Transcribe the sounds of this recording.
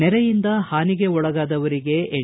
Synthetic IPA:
ɛɾɛjind̪ɐhaːniɡe̞ɔɭɐɡaːd̪ɐʋɐɾiɡe̞ʔe

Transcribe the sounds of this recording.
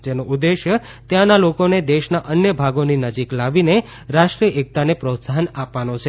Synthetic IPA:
d͡ʒenoʔud̪ːeʃjə | t̪jãnalokoned̪eʃnaʔənjəbʱaɡoninəd͡ʒiklaʋine | ɾaʃʈɾiəʔek̚t̪anepɾot̪saɦənapʋanot͡ʃʰe

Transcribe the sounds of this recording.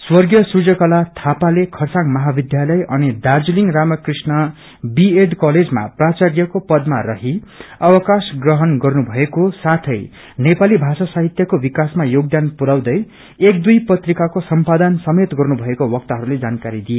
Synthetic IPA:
swʌrɡjʌsud͡zʌkʌlat̪ʰapalekʰʌrsaŋmʌɦabid̪jalʌjʔʌnid̪ard͡zuliŋramʌkrisnʌ | bieɖkʌled͡zma̰prat͡sarjʌkopʌd̪marʌɦiʌwʌkasɡrʌɦʌnɡʌrnubʱʌekosat̪ʰʌj | nepalibʱasasaɦit̪jʌkobikasmajoɡ̚d̪anpuɾawd̪ʌj | ekd̪ujpʌt̪rikakosʌmpad̪ansʌmet̪ɡʌrnubʱʌekowʌk̚t̪ʌɦʌɾuled͡zankaɾid̪ije

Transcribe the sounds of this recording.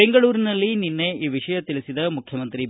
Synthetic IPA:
eŋɡɐɭuːɾinɐlːininːe̞iːʋiʂɐjɐt̪iɭisid̪ɐmukʰjɐmɐnt̪ɾi

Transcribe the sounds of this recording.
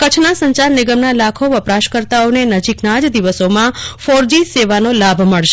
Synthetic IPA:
kət͡ʃʰnasə̃ɲt͡ʃaɾnɪɡəmnalakʰoʋəpɾaʃkəɾt̪aonenəd͡ʒiknad͡ʒd̪iʋəsomãfoɾd͡ʒiseʋanolabʱməɭʃ

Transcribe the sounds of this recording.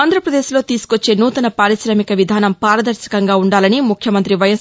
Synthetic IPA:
aːnd̪ɾɐpɾɐd̪eːʃlo̞ːt̪iːsu̥kot͡ʃːe̞ːnuːt̪ɐnɐpaːɾiʃɾɐmikɐʋid̪ʱaːnɐmpaːɾɐd̪ɐɾʃɐ̥kɐŋɡaːuɳɖaːlɐnimukʰjɐmɐnt̪ɾiʋɐjɐs

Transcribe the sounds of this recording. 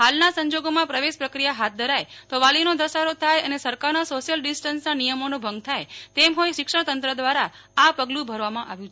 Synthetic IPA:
halnasə̃ɲd͡ʒoɡomãpɾəʋeʃpɾəkɾijaɦat̪̚d̪ʱəɾajt̪oʋalinod̪əsaɾot̪ʰajənesəɾkaɾnasoʃijəlɖɪsʈənsnanijəmonobʱə̃ŋɡ̚t̪ʰajt̪emɦojʃɪkʂəɳ̃t̪ənt̪ɾəd̪ʋaɾa | apəɡlũbʱəɾʋamãʔa̰ʋjũt͡ʃʰe

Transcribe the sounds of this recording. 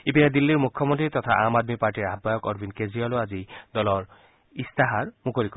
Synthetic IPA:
ipinad̪ilːiɾmukʰːɔmont̪ɾit̪ɔt̪ʰa̰ʔamad̪mipaɾʈiɾabːajɔkɔɾbʱinkeziɔloazid̪ɔlɔɾ | ist̪aɦaɾmukoɾiko

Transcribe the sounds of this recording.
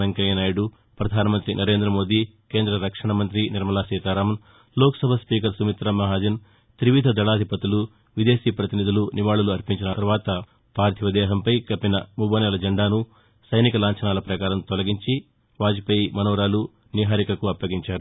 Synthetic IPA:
ɐŋkɐjɐnaːjuɽu | pɾɐd̪ʱaːnɐmɐnt̪ɾinʔɐɾe̞ːnd̪ɾɐmo̞ːd̪i | ke̞ːnd̪ɾɐɾɐkʂɐɳɐmɐnt̪ɾiniɾmɐlaːsiːt̪aːɾaːmɐn | loːkɐ̥sɐbʱɐspiːkɐɾsumit̪ɾɐmɐɦaːd͡ʒin | t̪ɾiʋid̪ʱɐd̪ɐɭaːd̪ʱipɐt̪ulu | ʋid̪e̞ːsiːpɾɐt̪inid̪ʱuluniʋaːɭuluɐɾpiɲt͡ʃinɐɐɾʋaːt̪ɐ | paːɾt̪ʰiʋɐd̪ɛːɦɐmpɐjkɐpːinɐmubɐːnɛlɐd͡ʒɐɳɖaːnu | sɐjnikɐlaːɲt͡ʃɐnaːlɐpɾɐkaːɾɐmt̪ɔlɐɡiɲt͡ʃi | ʋaːd͡ʒipɐjmɐnoːɾaːlu | niɦaːɾikɐkuɐpːɐɡiɲt͡ʃaːɾu

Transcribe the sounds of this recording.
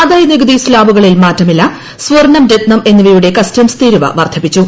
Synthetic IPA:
ɐd̪ɐjniɡɐd̪islaːbuɣɐɭilmaːtːɐmilːɐ | sʋɐrnɐmɾet̪nɐme̞nːiʋijuɽe̞kɐstɐmst̪iːɾuʋɐ̰ʋɐrd̪ʰʱɐpːit͡ɕːu

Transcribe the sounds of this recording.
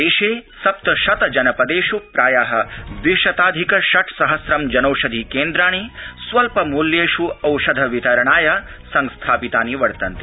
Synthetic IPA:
eːʃeːsɐpt̪ɐʃɐt̪ɐd͡ʒɐnɐpɐd̪eːʃupɾaːjaːɦɐ̆d̪iʃɐt̪aːd̪ʱikɐʃɐʈ̪ʰsɐɦɐsɾɐmd͡ʒɐnɐwʃɐd̪ʱikeːnd̪ɾaːɳ̃isʋɐlpɐmuljeːʃuɐwʃɐd̪ʱɐʋit̪ɐɾɐɳaːjɐ | sɐŋst̪ʰaːpit̪aːniʋɐɽt̪ɐnt̪i

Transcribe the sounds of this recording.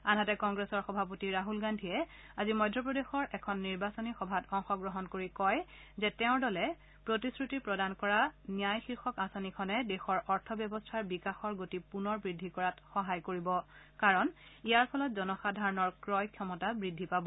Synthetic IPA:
anɦatɛkɔŋɡɹesɔɹxɔbʱap̬otiɹaɦulɡandʱiɛ | azimɔjdʱɹɔpɹɔdexɔɹʔɛkʰɔnːiɹbasɔnixɔbʱatɔŋxɔɡɹɔɦɔnkoɹikɔjzɛtɛʊ̃ɹdɔlɛ | pɹotiskɹutipɹɔdankɔɹanijajxiɹxɔkasanikʰɔnɛdɛxɔɹɔɹtʰɔbjɔbɔstʰaɹbikaxɔɹɡotipunɔɹbɹidʱːikɔɹatxɔɦajkoɹibɔ | kaɹɔnijaɹpʰɔlɔtzɔnɔxadʱaɹɔnɔɹkɹɔjkʰjɔmɔtabɹidʱːipabɔ

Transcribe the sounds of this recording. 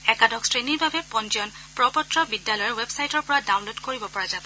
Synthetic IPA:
ɛkadɔkstɹeniɹbʱabɛpɔnzɔn | pɹɔpɔtɹɔbidːalɔjɔwebsajtɔɹpɔɹadawnlodkoɹibɔpɔɹazab

